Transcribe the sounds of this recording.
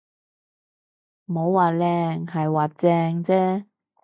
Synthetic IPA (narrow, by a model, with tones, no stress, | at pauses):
m˨o˨˧wwaː˨˩lɛː˧ŋɦɐ˨jwaː˨˩t͡sɛː˧ŋt͡sɛː˥